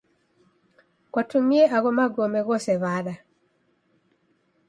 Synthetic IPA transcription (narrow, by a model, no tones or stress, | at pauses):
kwatumieʔaɣɔmaɡɔmɛɣɔsɛβaɾa